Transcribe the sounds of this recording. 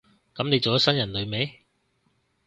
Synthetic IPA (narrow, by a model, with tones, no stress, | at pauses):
kɐ˨˥mne˨˧jt͡so˨jɐ˦˥sɐ˥njɐ˨˩nlɵ˨˧ɥme˨˥j